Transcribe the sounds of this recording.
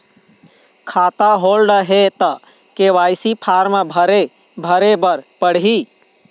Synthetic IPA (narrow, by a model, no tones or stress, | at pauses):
kʰaːt̪aɦoːlɖəɦet̪ə | keʋaːjsipʰaːɾmabʱəɾe | bʱəɾebəɾpəɽ̤ɦi